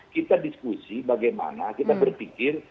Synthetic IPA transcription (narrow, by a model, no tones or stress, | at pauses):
kit̪adiskusibaɡajma̰nakit̪abərpikɪr